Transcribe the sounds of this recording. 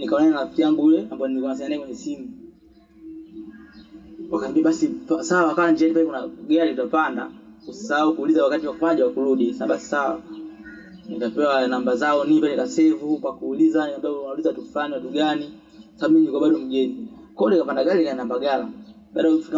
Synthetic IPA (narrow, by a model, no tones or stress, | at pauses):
nikaɔnananaftijaŋɡuulɛambaɔniikanasaɲanaɛkwɛɲɛsimu | wakaimbiaɓasipasawwwakaland͡ʒianipaɛkunaɡalitapanda̰kusisahaukulizawakatiwakufaʄawakuɾuɗisaɓasi̥sawa | nikapɛwanambazaɔnipalɛkasɛvupakuːlizaniambaɛnaulizatufaniwatuɡani | kwasaɓaɓumimiɲikaɓaɗɔm̩ɡɛnikɔlikapandaɡalinikaɛnambaɡala | ɓaːɗajɛfiŋɡa